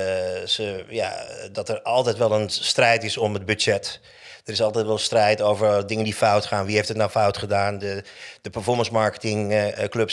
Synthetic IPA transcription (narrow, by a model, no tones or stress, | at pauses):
səja̰dɔtərɑlˠtɛjtʋɛlˠənstrɛjtɪsɔməd̚byd͡ʒɛt | d̥ərɪsɑlˠtɛjtʋɛlˠstrɛjtowvərdɪŋəndifawtχaːnʋiɦeftətnawfawtχədaːndəd̥əpərfɔɹmənsmaɹkə̥tɪŋklɵps